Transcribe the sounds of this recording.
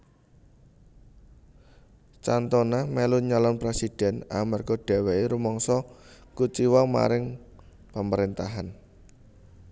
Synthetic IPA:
t͡ʃant̪ɔnamɛluɲɔlɔnpɾesid̥ɛ̤na̰marɡ̥ɔɖ̥ɛ̤wɛiɾumɔŋsɔkut͡ʃiwɔŋma̰ɾɪŋ | paməɾent̪aɦan

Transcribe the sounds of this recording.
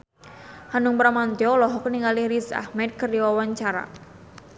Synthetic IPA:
hanuŋpɾamand̪ɔlɔɦɔkəniŋaliɾisa̰hmɛt̪̚kərjawaɲt͡ʃaɾa̰

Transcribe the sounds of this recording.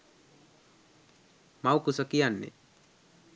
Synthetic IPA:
mawkusəkijanːḛ

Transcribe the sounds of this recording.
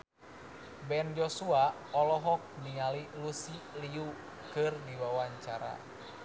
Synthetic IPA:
bɛnd͡ʒɔsua | ɔlɔɦɔk̚nialilusiliu | kɨrdiwawaɲt͡ʃaɾa̰

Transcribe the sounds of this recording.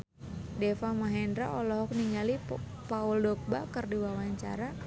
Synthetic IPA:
dɛfamaɦɛndɾaʔɔlɔɦɔk̚niŋɡali | pauldɔk̚bakərdiwawaɲt͡ʃa̰ɾa

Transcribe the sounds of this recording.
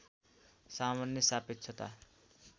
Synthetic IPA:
samanjʌsapit̪t͡sʰʌt̪a̰

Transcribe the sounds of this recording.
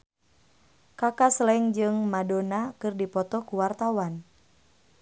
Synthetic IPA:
kakaslɛŋd͡ʒɨŋmadonakɨrdipɔt̪ɔkuwart̪awan

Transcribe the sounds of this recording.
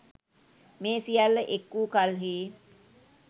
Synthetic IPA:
meːsijalːəʔekːuːkalɦiː

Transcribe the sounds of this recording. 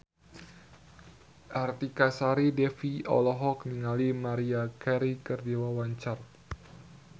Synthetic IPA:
ʔart̪ikasaɾidɛfiɔ̰lɔɦɔk̚niŋalimaɾiakɛɾikərdiwawaɲt͡ʃar

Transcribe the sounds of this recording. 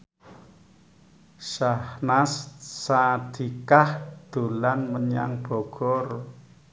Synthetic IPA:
ʃahnassad̪̥i̤kahd̪̥ulanməɲa̰ŋb̥ɔ̤ɡ̥ɔr

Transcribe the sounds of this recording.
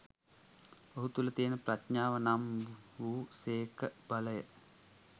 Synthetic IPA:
oɦut̪ulət̪iːənəprat̪ɲaːʋənamʋuːseːkəb̥aləjə

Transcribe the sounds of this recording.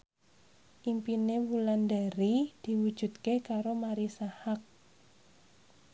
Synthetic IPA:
ʔimpinewulandaɾid̪̥i̤wud̥ʒ̥ṳt̪kekaɾomaɾisahak̚

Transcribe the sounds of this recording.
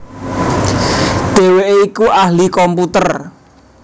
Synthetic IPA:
d̪̥e̤weʔeikuʔahlikɔmput̪ər

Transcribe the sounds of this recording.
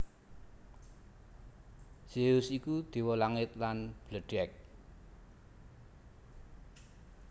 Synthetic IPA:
seʊsikud̪̥e̤wɔlaŋɪt̪̚lanb̥ləɖ̥ɛk̚

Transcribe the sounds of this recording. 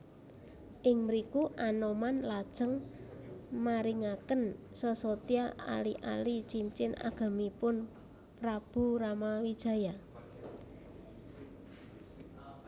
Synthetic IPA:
ʔɪŋməɾikuʔanomanlad̥ʒ̥ə̤ŋ | maɾiŋakən | səsot̪iaa̰liʔa̰lit͡ʃiɲt͡ʃɪna̰ɡ̥a̤mipʊn | pɾab̥ṳɾamawid̥ʒ̥a̤ja

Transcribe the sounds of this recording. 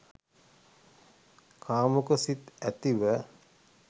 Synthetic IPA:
kʰaːmukəsit̪æt̪iʋə

